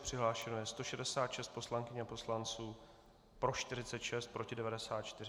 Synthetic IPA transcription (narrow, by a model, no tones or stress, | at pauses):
pr̥ɪɦlaːʃɛnojɛst̪o̞ʃɛdɛsaːt̪ʃɛst̪po̞slaŋkɪɲɛapo̞slant͡suː | pɾo̞ʃt̪ɪɾɪt͡sɛt̪ʃɛst̪̚pɾo̞cɪdɛvadɛsaːt̪t͡ʃt̪ɪrɪ